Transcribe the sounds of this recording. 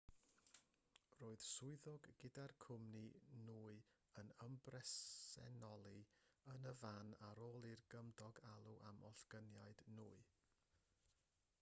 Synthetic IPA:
roːɨð̥sʊɨðɔɡːɪdarkʰʊmninuːɨ | ənəmbrɛsɛ̰nɔlˠiənəvanaɾoːlˠirɡəmdɔɡalˠuʔamɔ̰ɬɡ̥ənjaɨd̥nuːɨ

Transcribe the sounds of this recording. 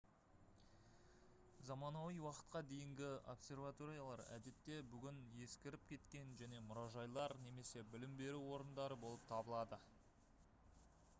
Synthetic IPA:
zɑmɑnɑwijwɑqə̥t̪̚qɑd̪e̞jɪŋɡʲɪo̞psʲe̞rvat̪o̞ɾijalˠɑɾæ̰d̪e̞t̪ːe̞bʏɡʲɪnje̞skʲɪɾɪpkʲʰe̞t̪kʲe̞nʒæne̞mʊɾɑʒɑjlˠɑɾne̞me̞se̞bɪlɪmbe̞ɾuwo̞ɾənd̪ɑɾəbo̞lˠəp̚t̪ʰɑbəlˠɑd̪ə

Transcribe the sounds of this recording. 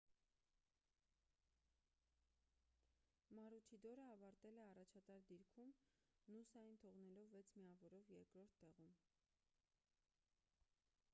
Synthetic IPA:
mɑɾut͡ʃʰid̪ɔɾəɑvɑɾt̪ɛlɛɑrɑt͡ʃʰɑt̪ɑɾd̪iɾkʰumnusɑjint̪ʰɔʁnɛlɔvːɛt͡sʰmiɑvɔɾɔvjɛɾkɾɔɾt̪ʰːɛʁum

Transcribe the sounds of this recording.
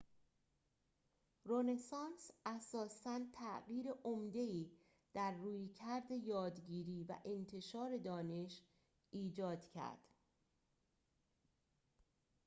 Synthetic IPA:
rone̞sɒnsæsɒːsænt̪ʰæʔɣiːɾeʔomd̪e̞iː | d̪̥æɾːuːjcʰæɾd̪e̞jɒːd̪ɟiːɾiːvæ̰ʔe̞nt̪ʰe̞ʃɒːɾe̞d̪ɒːne̞ʃ | iːd͡ʒɒːd̪̥cʰæ̰ɾd̪̥

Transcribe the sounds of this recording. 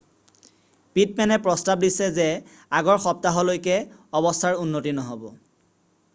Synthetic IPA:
pit̚mɛnɛpɹɔstab̚disɛzɛ | aɡɔɹxɔp̚taɦɔlojkɛɔbɔstʰaɹunːotinɔɦɔbɔ

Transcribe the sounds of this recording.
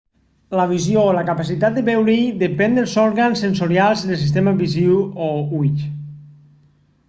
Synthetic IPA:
laβ̞izjolakapasit̪at̪̚d̪eβɛwɾiðepɛnd̪elˠzɔɾɣansːensoɾjalˠzðelˠs̬ist̪emaβiziwouiʎ

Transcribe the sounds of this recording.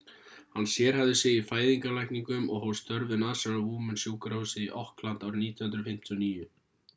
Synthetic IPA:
hanːsjɛːɾ̥havðʏseːjɪfaːjðiŋkalajhkniŋkʏmɔɣɦɔwst̪œɾvɪnaːsalavuːmʏnsjuːkɾowsɪḭʔɔhklant̪awɾniːt̪jhʏnt̪ɾʏfɪm̥t̪ʰiɔniːjʏ

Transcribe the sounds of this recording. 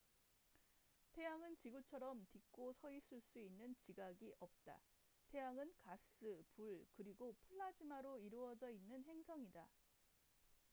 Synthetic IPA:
tʰe̞jaŋɯnt͡ɕiɡut͡ɕʰʌɾʌmtik̚k͈osʰʌis͈ʰɯɭs͈uinːɯnt͡ɕiɡaɡiʔʌp̚t͈a̰ | tʰe̞jaŋɯnkas͈ɯpuɭkɯɾiɡopʰuɭːad͡ʑimaɾoiɾuʌd͡ʑʌinːɯnɦe̞ŋsʰʌŋida

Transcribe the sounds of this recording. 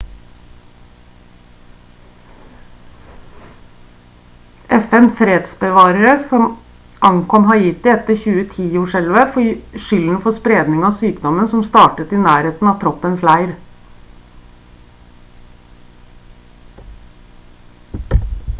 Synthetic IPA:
ʔɛfɛnfɾeːd̪̥sbəʋɑːɾəɾəsɔm | ʔɑŋkʰɔmɦɑɾjɪt̪ːɪɛt̪ːəɾçʉːət̪ʰiːoːʂɛlʋəfɔʂʏln̩fɔspɾeːd̪nɪŋɑːsyːkd̪ɔmənsɔmst̪ɑːʈət̪ɪnæːɾeːt̪n̩ɑːt̪ʰɾɔpːənslæɪɾ

